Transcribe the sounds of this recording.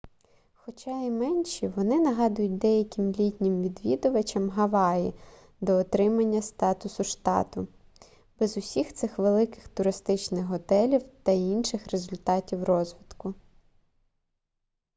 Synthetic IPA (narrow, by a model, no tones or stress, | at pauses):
xɔt͡ʃɑimɛnʲʃiʋɔnɪnɐɦɑd̪ʊjʊt̚ʲd̪ɛjɐkʲɪmlʲitʲnʲɪmʋʲid̪ʋʲid̪ʊʋɐt͡ʃɐmɦɐʋɑji | d̪ɔːt̪ɾɪmɐnʲːɐst̪ɑt̪ʊsʊʃt̪ɑ̰t̪ʊ | bɛzʊsʲixt̪sɪxʋelˠɪkɪ̥xt̪ʊɾɪst̪ɪt͡ʃnɪxɦɔt̪ɛlʲiwt̪ɐinʃɪxrezʊlʲt̪ɑtʲiwrɔzʋʲɪt̪kʊ